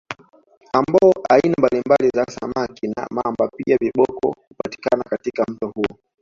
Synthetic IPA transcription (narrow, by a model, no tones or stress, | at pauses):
ambɔɔʔainambalimbalizasa̰makina̰mambapiaviɓɔkɔ̰hupati̥kanakatikam̩tɔhuɔ